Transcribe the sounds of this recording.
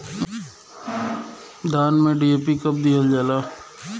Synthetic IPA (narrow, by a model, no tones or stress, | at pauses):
d̪aːnmẽɖieːpikɐp̚d̪ijəld͡ʒaːlaː